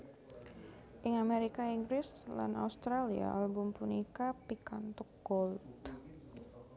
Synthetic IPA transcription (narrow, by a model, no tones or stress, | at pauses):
ʔɪŋameɾikaiŋɡɾɪsla̰na̰ust̪ɾalia̰albʊmpunikapikant̪ukːɔlt̪